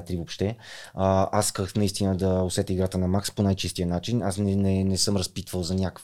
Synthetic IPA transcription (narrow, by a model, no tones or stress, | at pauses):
t̪ɾivopʃt̪ɛəasi̥kəxnɐist̪inəd̪ɐosɛt̪əiɡɾat̪ənɐmaksponajt͡ʃist̪ijənat͡ʃinasnɛnɛnɛsɤmɾɐspit̪vəlˠzɐnʲak